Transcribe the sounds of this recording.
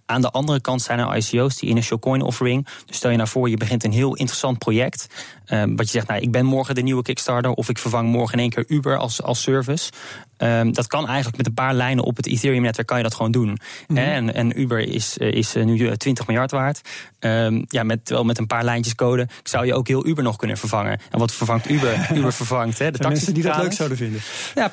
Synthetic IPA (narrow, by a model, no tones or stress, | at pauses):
ʔaːndəʔɑndərəkɑntsɛjnəɑ̰jsiowstḭʔɪ̰nəʃɪlˠkɔjnɔ̰fəɹɪŋdstɛlˠjənaːɹv̥ʊːɹjəbəχɪntənɦɪːlˠʔɪ̰ntərəsɑnt̚projɛkt | ədɑtjəzɛχtnawʔɪɡ̚bɛnmɔɹχədəniwəkɪkstɑɹtəɹʔɔfɪkfəɹvɑŋmɔɹχəɪnejŋkɪːɹʔybəɹɑ̰lˠsɑ̰lˠsøɹvəsədɑtkɑnɛjχənləkmɛtənpaːɹlɛjnə̰ʔɔ̰pətḭθɪːɹiəmnɛtʋɛɹkːɑnjədɑtχʋowndunɦɛnɛ̰nybəɹɪ̰sɪsnytʋɪntəχmɪlˠjɑɹtʋaːɹtəmjamɛtːəɹʋɛ̰ːlˠmɛtənpaːɹlɛjnt͡ʃəskowdəksawjəʔo̰wkɦɪːlˠʔybəɹnɔχkɵnə̰nvəɹvɑŋə̰nʔɛ̰nʋɑtfəɹvɑŋtybəybəɹvəɹvɑŋtɦɛdəɛknisdidløksawdəvɪndəja